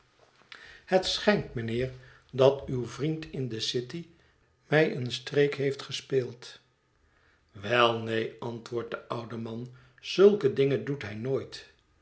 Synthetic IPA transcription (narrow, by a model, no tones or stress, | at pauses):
hətsχɛŋtmənɪːɹ | dɑtywvrintɪndəsɪti | mɛjʔənstrejkɦejftχəspeːlˠt | ʋɛlˠnejɑntʋʊːɹt̚dəʌwdəmɑn | z̥ɵlˠkədɪŋəndutɦɛjnoːjt